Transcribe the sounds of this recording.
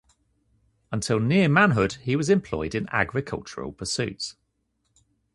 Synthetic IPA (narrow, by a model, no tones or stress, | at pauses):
ə̃ntʰɪlˠnɪəmãnɦʊd̥hiwɒzɪ̃mpʰl̥ɔ̰ɪdɪ̃na̰ɡɹɪkʰʌ̰lˠt͡ʃəɹə̰lˠpʰəsʉ̰ˑts